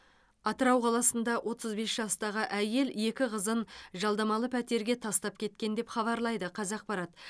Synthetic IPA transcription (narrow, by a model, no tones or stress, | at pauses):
ɑt̪əɾɑwqʰɑlˠɑsənd̪ɑwʔo̞t̪əzbe̞sʒɑst̪ɑʁəʔæje̞lje̞kʲɪʁəzənʒɑlˠd̪ɑmɑlˠəpʰæt̪e̞ɾɡʲe̞t̪ʰɑst̪ɑp̚kʲʰe̞t̪̚kʲe̞nd̪e̞pχɑβɑɾlˠɑjd̪əqʰɑzɑq̚pɑɾɑt̪